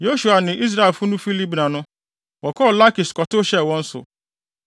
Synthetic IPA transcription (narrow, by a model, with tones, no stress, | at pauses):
jo˦ʃu˨a˨nɪ̃˨i˦s̬ɾa˦e˨fʊ˦nʊ̃˦fi˦li˦bnã˨nʊ̃˦ | wɔ˨kʰɔː˦˨la˦ki˨skɔ˨tʊ˦ɕɛ˦wɔ̃˦n̩˦sʊ̰˨